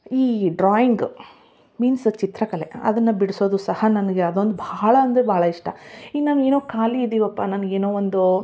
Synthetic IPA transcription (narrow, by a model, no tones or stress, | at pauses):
iːɖɾaːjiŋɡ | miːnst͡ʃit̪ɾɐkɐle̞ɐ̰d̪ɐnːɐbiɽiso̞ːd̪usɐhɐnɐnɐɡe̞ɐd̪o̞nd̪ubʱaːɭɐɐnd̪ebʱaːɭɐiʂʈɐinaːʋe̞ːnoːkaːliːd̪iːʋɐpːaːnaːnɐɡeːnoːʋond̪u